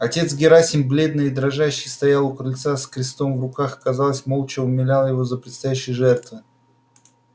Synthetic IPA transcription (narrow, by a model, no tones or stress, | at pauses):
ɐtʲe̞t̪s̬ɡʲɪɾasʲɪmblʲe̞d̪nɨɪd̪ɾɐʐaɕːɪjst̪ɐjalˠʊkɾɨlʲt̪saskɾʲɪst̪o̞mvrʊkaxɐ̥kɐzalˠəsʲmo̞lˠt͡ɕɪʊmʲɪlʲalˠəjɪvo̞zəpɾʲɪt̪st̪ɐjæɕːɪjəʐɛrt̪vɨ